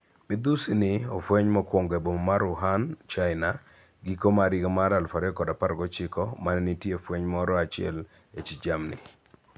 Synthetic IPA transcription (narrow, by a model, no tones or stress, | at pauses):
mɪd̪usinɪɔfwɛɲmɔkwɔŋɡebommaɾʊɦant͡ʃaɪna | ɡikomaɾɪɡamaɾalfaɾɛɔkɔdapaɾɡɔt͡ʃɪkɔmanɛnitjefweɲmɔɾɔat͡ʃɪɛ̰l | et͡ʃid͡ʒamnɪ̰